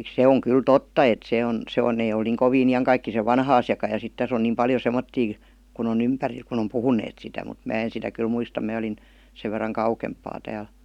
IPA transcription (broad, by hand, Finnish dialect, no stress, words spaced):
se oŋ kyl totːɑ et se on se on neˑ eĭ ol niːŋ koʋiːn ijɑŋkɑikːiseʋ ʋɑnːɑ ɑsjɑkɑ jɑ sit tæs on niːm pɑljo semːotːiː kun on ympæril kun om puhuneːt sitæ mut mæ en sitæ kyl muistɑ mæː olin seʋ ʋerːɑŋ kɑukempˑɑː tæːl